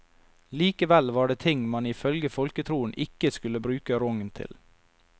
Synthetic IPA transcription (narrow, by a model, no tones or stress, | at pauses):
liːkəʋɛlʋɑːɖeːt̪ʰɪŋmɑnɪfœlɡəfɔlkət̪ʰɾuːənʔɪkəskʉləbɾʉːkəɾɔŋnt̪ʰɪ̰l